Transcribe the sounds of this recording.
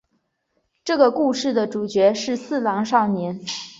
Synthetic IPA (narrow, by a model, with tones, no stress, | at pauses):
ʈ͡ʂɤ˥˩ɡə˩ku˥˧ʂɻ̩˥˩d̪ə˩ʈ͡ʂu˨˩t͡ɕɥɛ˧˥ʂɻ̩˥˧sɹ̩˥˩lɑ˧˥ŋʂɑ˥˩ʊnjɛ˧˥n